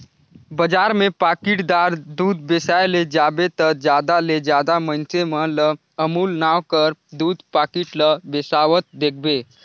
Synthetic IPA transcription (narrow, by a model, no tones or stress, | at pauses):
bəd͡ʒaːɾmẽpaːkɪʈd̪aːɾd̪uːd̪besajled͡ʒaːbet̪əd͡ʒjaːd̪aled͡ʒjaːd̪amənt͡ʃemə̃lə | əmuːlnaːwkəɾd̪uːd̪paːkiʈləbesaːʋət̪̚d̪eːkʰbeː